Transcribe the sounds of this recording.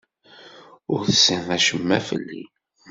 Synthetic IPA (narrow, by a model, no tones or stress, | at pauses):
ʊɾθəsənðæʃəmːæfə̰lːḭ